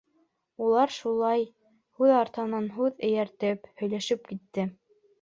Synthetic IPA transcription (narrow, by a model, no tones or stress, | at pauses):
ulˠɑɾʃulˠɑj | hʉðɑɾt̪ɤ̆nɑnɦʉðɘ̆jæɾt̪ɘphɵ̆jlæʃɘp̚kit̪ːɘ